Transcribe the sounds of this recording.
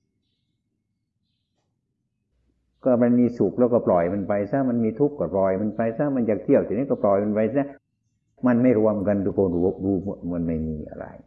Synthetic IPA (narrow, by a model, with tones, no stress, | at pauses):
kɔː˧˥˩ma˧nmiː˧su˨˩k̚lɛː˧wkɔː˧˩plɔ˨˩jma˧npa˧jsaː˧˥˨ma˧nmiː˧t̪ʰu˦˥kːɔː˧˩plɔː˨˩jma˧npa˧jsaː˧˥˩ma˧njaː˨˩k̚t̪ʰi˧˩əwt̪ʰi˨˩niː˦˥˩kɔː˧˩plɔ˨˩jma˧npa˧jsaː˧˥˩ | ma˧nma˥˩jɾu˧əmka˧nt̪ʰu˦˧˩kʰoː˧nu˧o˧k̚duː˧m˧mɯ˧˨nma˧˥˩jmiː˧ʔa̰˧ɾa̰˧j